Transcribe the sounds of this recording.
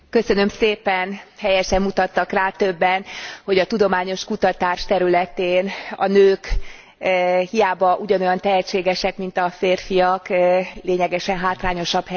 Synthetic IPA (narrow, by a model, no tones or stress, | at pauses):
kø̞sø̞nø̞mseːpɛnhɛjɛʃɛmːut̪ɒt̪ːɒkraːt̪ø̞bːɛnho̞ɟɒt̪ud̪o̞maːɲo̞ʃkut̪ɒt̪aːʃt̪ɛɾylɛt̪eːnɒ̰nøːk | hijaːbɒʔuɟɒno̞jɒnt̪ɛɦɛt͡ʃːeːɡɛʃɛkmint̪ɒfeːrfijɒkleːɲɛɡɛʃɛnɦaːt̪laːɲo̞ʃɒbhɛ